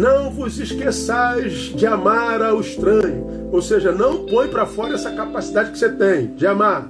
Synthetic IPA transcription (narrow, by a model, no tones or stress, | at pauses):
nɐ̃w̃vʊziʃkesajz | d͡ʒɪamaɾawɪʃt̪ɾɐ̃ɲʊ | owseʒɐnɐ̃w̃põj̃pɾɐfɔɾɐɛsɐkapasid̪ad͡ʒɪkɪ̥set̪ẽj̃d͡ʒɪamaɾ